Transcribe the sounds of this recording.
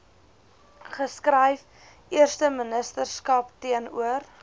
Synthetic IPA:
χəskrəjf | iərstəmənəstərskɐptiənṵər

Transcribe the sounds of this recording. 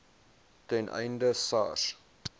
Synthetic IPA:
tɛnʔɛ̰jndəsɑ̰r

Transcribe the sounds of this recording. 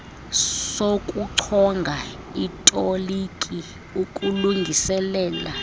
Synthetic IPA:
sokʼuǀʰɔŋɡʱa | itʼolikʼi | ukʼuluŋɡʱisɛlɛːla

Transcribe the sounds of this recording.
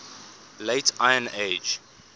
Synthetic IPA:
leɪtʰʔajə̃ned͡ʒ

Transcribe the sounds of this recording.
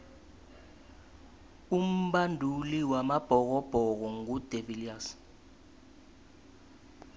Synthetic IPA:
um̩bandʱuliwamab̥ʱɔk̬ɔb̥ʱɔk̬ɔŋud̥ʱevilias

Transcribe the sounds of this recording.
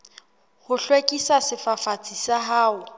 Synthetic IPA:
hʊɬwekʼisasɪfafat͡sʼisaɦaːʊ

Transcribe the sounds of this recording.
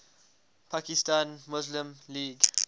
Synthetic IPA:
pʰakistãnmuzlĩmliːɡ

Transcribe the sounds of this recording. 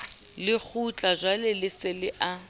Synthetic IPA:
lɪk͡xʰut͡ɬʼazʷwalɪlɪsɪlɪʔa

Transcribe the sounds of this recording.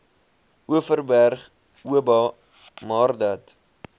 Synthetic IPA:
uəfərbærχ | uəbɑ | mɑːrdɐt

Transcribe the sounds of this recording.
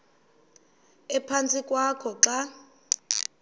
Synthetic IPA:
ɛpʰant͡sʼikʼwakʰɔǁa

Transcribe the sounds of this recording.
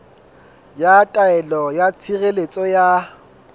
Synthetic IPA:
jatʼaɛlɔjat͡sʰiɣelet͡sʼɔja

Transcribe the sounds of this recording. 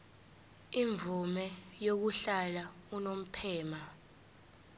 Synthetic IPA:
iɱvʱumɛjok̬uɬalaunom̩pʰɛːma

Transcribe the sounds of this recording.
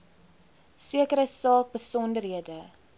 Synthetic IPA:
siəkəɾəsɑːk̚bəsɔndərɦiədə

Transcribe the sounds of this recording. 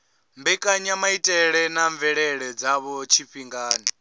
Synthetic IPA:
mbɛkʼaɲamaitʼɛɺɛnaɱvɛɺɛɺɛd͡zaβɔt͡ʃʰiɸiŋɡaːni

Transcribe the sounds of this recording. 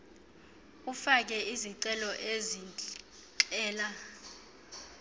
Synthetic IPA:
ufak̬ɛʔiziǀɛlɔʔezi | ǃʼɛːla

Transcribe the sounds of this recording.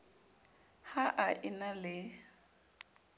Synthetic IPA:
haʔaʔɪnalɪ

